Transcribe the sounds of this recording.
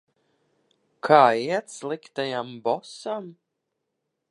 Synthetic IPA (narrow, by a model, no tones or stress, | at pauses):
kʰaːiɛt̪slˠikt̪ajambɔsam